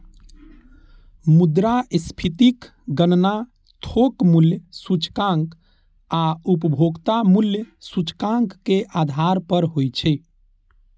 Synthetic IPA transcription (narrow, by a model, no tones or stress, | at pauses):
mud̪ɾaspʰit̪ik | ɡənna | t̪ʰokmuljsut͡ʃkãŋk | aupəbʱoɡt̪amuljsut͡ʃkãŋkːeʔad̪ʱaɾpəɾɦojt͡ʃʰɛ